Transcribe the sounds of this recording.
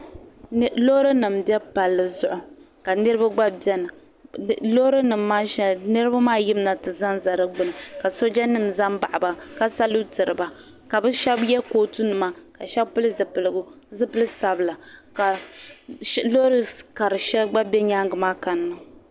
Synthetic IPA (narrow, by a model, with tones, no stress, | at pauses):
lo˦ɾɨ˦nɨ˨mbɛ˦pa˨lːɨ˨zʊ˦ʔʊ˨ | ka˨nɨ˦ɾɨ˦ba˦ɡ͡ba˦bɛ˦nɨ˨ | lo˦ɾɨ˦nɨ˨mːaː˦ʃɛ˨nɨ˦ɾɨ˦ba˦maː˦jɪ˦mna˨tɨ˨za˦nza˨ɾɨ˦ɡ͡bɨ˨nɨ˨ka˨so˦d͡ʒa˦nɨ˦mza˦mba˨ʔa˨ba˨ka˦sa˦lu˦tɨ˨ɾɨ˨ba˨ | ka˨bɨ˦ʃɛ˦bjɛ˦koː˦tu˦nɨ˨ma˦ka˨ʃɛ˦bpɨ˦lɨ˦zɨ˨pɨ˨lɨ˨ɡʊ˦ | zɨ˦pɨ˦lɨ˦sa˨bɨ˨la˨ka˨ | lo˦ɾɨ˦ka˨ɾɨ˨ʃɛ˦ɡ͡ba˦bɛ˦ɲa˦ŋɡɨ˨maː˦ka˨nːɨ˦˨